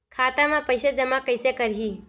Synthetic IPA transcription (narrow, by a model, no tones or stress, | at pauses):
kʰaːt̪amãpəjsed͡ʒɐmakəjsekəɾɦi